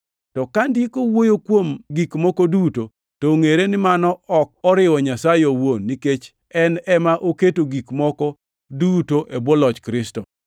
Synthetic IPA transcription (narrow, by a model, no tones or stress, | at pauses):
tɔkandikowojokwomɡikmɔkɔduto | toŋeɾenɪmanɔɔk̚ɔɾɪwɔɲasajowonːiket͡ʃ | ɛnɛmaʔoketoɡikmɔkɔ | dutoʔebwɔlɔt͡ʃkɾɪstɔ